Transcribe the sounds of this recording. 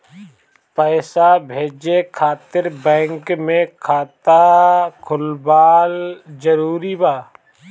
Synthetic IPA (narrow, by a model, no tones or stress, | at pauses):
pəːsabʱeːd͡ʒekʰaːt̪ɪɾbɛ̃ːŋkmẽkʰaːt̪akʰʊlbaːld͡ʒəɾuːɾibaː